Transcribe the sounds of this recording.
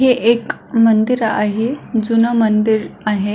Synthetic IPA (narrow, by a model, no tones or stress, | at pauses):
ɦeʔekmənd̪iɾa̰ɦed͡zunamənd̪iɾaɦe